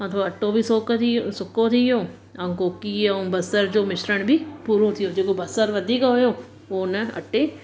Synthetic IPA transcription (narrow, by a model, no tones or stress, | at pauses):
ɐ̃t̪ʰoɐʈːõːbʱisoːk̪iosʊkːõːt̪ʰiõː | ɐ̃koːkiõbɐsəɾd͡ʒoːmɪʃɾəɽ̃bʱiːpuːɾõt̪ʰijõːd͡ʒeːkobɐsəɾʋəd̪ʱiːkɦojõː | oːnɛɐ̰ʈːeː